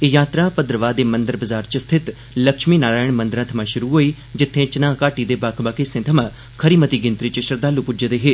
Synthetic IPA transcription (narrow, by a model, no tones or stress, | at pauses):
ejaːt̪ɾãːpəd̪ɾəʋaːd̪eːmənd̪əɾbəzaːɾt͡ʃst̪ʰɪt̪ | ləkʃmiːnaːɾaːɪɳ̃mə̃nd̪əɾãːt̪ʰəmãːʃʊɾuːɦoːiː | d͡ʒɪt̪ʰːẽːt͡ʃənãːkaːʈiːd̪eːbaːkʰbaːkeːsẽːt̪ʰəmãː | kʰəɾiːmət̪iːɡɪ̃nt̪ɾiːt͡ʃɪʃəɾd̪aːluːpʊd͡ʒəd̪eːɦeː